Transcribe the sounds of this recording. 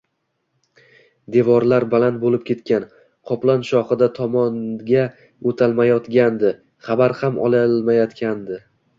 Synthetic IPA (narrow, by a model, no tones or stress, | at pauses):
d̪e̞vɒɾlaɾbalant̪̚bolɪp̚kʲʰe̞t̪kʲan | qʰɒplˠanʃɒχɨd̪at̪ʰɒmɒnɡʲa | ot̪ʰalˠmajɒt̪ɡʲand̪ɪ | χabaɾhamɒ̰lˠalmajɒt̪kʲʰand̪ɪ